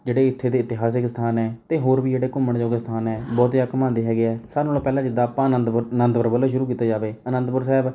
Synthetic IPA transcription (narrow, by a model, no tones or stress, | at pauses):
d͡ʒeːɽeːɪt̪ʰːeːd̪eːɪt̪ɪɦaːs̬ɪksə̥t̪ʰaːnɛːt̪eːɦoːɾbiːd͡ʒeːɽeːkʊməɳd͡ʒoːkest̪ʰaːnɛːbɔːt̪jaːkəmãːnd̪eːɦɛːɡeɛːsaːɾnoːlõːpɛːlãːd͡ʒɪd̪aːpãːnənd̪nənd̪bəɾbəlːʃʊɾuːk̬iːt̪ːaːd͡ʒaːʋeːənə̃nd̪bʊɾsɛːb